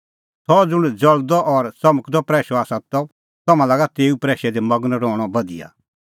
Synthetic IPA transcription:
sɔd͡zʊɽ̃d͡zɐld̪ɔʔɔɾsɐməkd̪ɔpɾɛːʃɔaːsãt̪ɔ | t̪ɐmãlaːɡat̪eːupɾɛːʃɛd̪ɛmɐɡnɾɔːɽ̃ɔbɐd̪ḭja̰

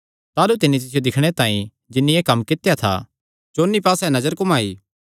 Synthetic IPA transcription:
t̪aːlut̪ɪnːit̪̬ɪsɪjod̪ɪkʰɽ̃et̪aːḭ̃ | d͡ʒɪnːijeːkɐmːkɪt̪jat̪ʰa̰ | t͡ʃoːnːipaːsɛnɐd͡ʒəɾkʊmaːḭː

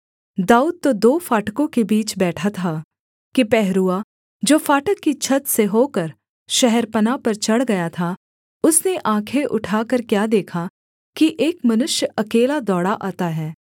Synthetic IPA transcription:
d̪aːuːd̪̚t̪od̪oːfaːʈkõkebiːt͡ʃbɛːʈʰat̪ʰaː | kipɛɦɾua | d͡ʒoːfaːʈəkːit͡ʃʰɐt̪seɦoːkɐɾ | ʃɛɦɛɾpɐnapɐɾt͡ʃɐɽɡɐjat̪ʰa | ʊsneʔãːkʰeʔʊʈʰaːkɐɾkjaːd̪eːkʰa | kiʔeːkmɐnʊʃjəɐkeːlad̪ɔːɽaʔaːt̪aɦɛː

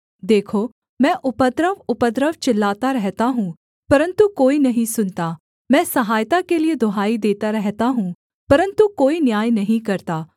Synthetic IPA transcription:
d̪eːkʰoː | mɛ̃ːʔʊpəd̪ɾəʋʊpəd̪ɾəʋt͡ʃɪlːaːt̪aɾɛɦt̪aɦũː | pɐɾə̃nt̪ukoːinɐɦĩsʊnt̪aː | mɛ̃ːsɐɦaːjt̪akelied̪ʱoɦaːid̪eːt̪aɾɛɦt̪aɦũ | pɐɾə̃nt̪ukoːinjaːjnɐɦĩkɐɾt̪aː

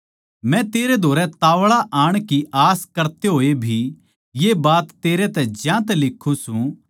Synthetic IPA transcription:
mɛ̃t̪eːɾed̪ʱoːɾɛt̪aːʋɭaʔaːɽ̃kiʔaːskɐɾt̪eɦoːebʱi | jeːbaːt̪ːeːɾet̪ɛ̃d͡ʒjãːt̪ɛlɪkʰːũsũ

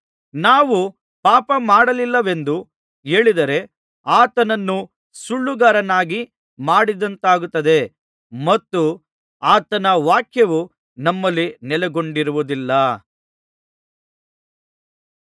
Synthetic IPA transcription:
naːʋu | paːpɐmaːɽɐlilːɐʋe̞nd̪u | eːɭid̪ɐɾe̞ | aːt̪ɐnɐnːu | suɭːuɡaɾɐnaːɡi | maːɽid̪ɐnt̪aːɡut̪ːɐd̪e̞ | mɐt̪ːu | aːt̪ɐnɐʋaːkʰjɐʋu | nɐmːɐlːinɛlɛɡo̞ɳɖiɾuʋud̪ilːɐ

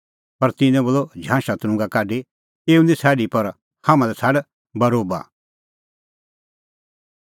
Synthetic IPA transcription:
pɐɾt̪ɪ̃nɛ̃boːlɔd͡ʒʱãːʃat̪ʊɾ̃ʊ̃ŋɡakaːɖe | eːunĩsʰɛːɽipɐɾ | hamãd̪ɛt͡sʰaɽ | bɐɾoːba̰

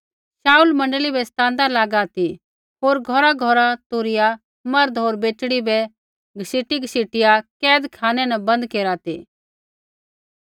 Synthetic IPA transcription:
ʃaːulmɐ̃ɳɖəlibɛst̪ãːnd̪alaːɡat̪i | ɦoːɾɡʱɔɾaɡʱɔɾat̪ʊːɾɪja | mɐɾd̪ɦoːɾbeːt͡ʃɽibɛ | ɡʱəsiːʈiɡʱəsiːʈɪjakɛːd̪kʰaːnɛnɛbɐ̃nd̪keːɾat̪ḭ

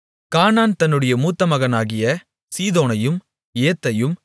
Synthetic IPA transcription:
kaːnaːnt̪ɐnːɯɽɐjɐmuːt̪ːɐmɐɣɐnaːɣɪjɐ | siːðoːnɐjɯm | eːt̪ːɐjɯm

